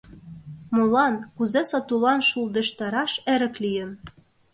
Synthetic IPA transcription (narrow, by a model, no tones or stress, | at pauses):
molɑnkuzesɑt̪ulɑnʃuld̪ə̆ʃt̪ɑɾɑʃeɾə̆klijə̆n